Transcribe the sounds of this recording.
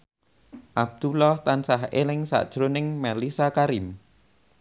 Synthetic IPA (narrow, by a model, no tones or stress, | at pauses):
ʔab̚d̪̥ulɔht̪ansaɦelɪŋsa̰ʔd̥ʒ̥ɾonɪŋmalisakaɾim